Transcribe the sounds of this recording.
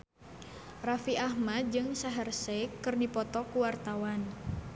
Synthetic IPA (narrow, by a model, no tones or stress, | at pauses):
rafiʔahmad̪̚d͡ʒɨŋsaɦərsekɨrdipɔt̪ɔkuwart̪awan